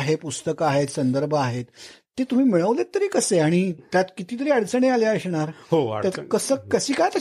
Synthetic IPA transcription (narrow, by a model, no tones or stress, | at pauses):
ɦepust̪əkəaɦet̪sənd̪əɾbʱəaɦet̪ː | et̪um̤iːmiɭəʋlet̪ːəɾiːkəseaɽ̃it̪jat̪kit̪iːt̪̬əɾiːəɽt͡səɳealjaəɕɳaɾɦo̰t̪kəsəːkəsiːkajt̪ə